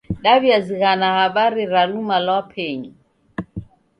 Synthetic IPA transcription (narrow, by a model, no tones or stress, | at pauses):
ɗaβiaziɣanahaɓaɾiɾalumalwapʰɛɲi